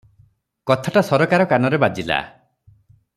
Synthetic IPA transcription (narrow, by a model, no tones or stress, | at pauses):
kɔt̪ʰaʈasɔɾɔkaɾɔkanɔɾebad͡ʒila̰